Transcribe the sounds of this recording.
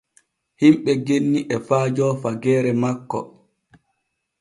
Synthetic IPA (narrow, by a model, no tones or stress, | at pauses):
himɓɛɡenːiʔɛfaːd͡ʒɔːfaɡɛːɾɛmakːɔ̰